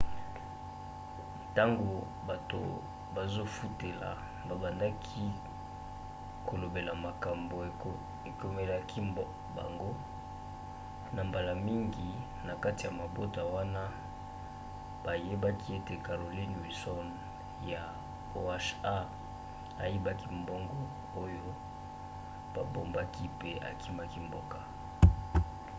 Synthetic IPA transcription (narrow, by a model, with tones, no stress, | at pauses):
ta˦ŋɡo˨ | ba˨to̰˨ | ba˨zo˦fu˦te˨la̰˨ | ba˨ba˨nda˦kʰi˦ | ko˨lo˨be˨la˨ma˨ka˨mbo˨˦ | e˨ko˨me˦la˦kʰi˦ | ba̰˨ŋɡo˦ | na˨mba˨la˨mi˦ŋɡi˨ | na˨ka˦ti˨ja˨ma˨bo˦ta˨wa˦na˦ | b̥a˨je˦ba˦kʰi˦e˦te˨ka˨ʁo˨li˦nwi˨sɔ˦n | ja˨ | o˦a˦ʃa˦ | a˨ji˦ba˦ki˦mbɔ˦ŋɡɔ˦ | o˦jo˦ | b̥a˨bo˨mba˦ki˦pe˦a̰˨kʰi˦ma˦ki˦mbo˦ka˨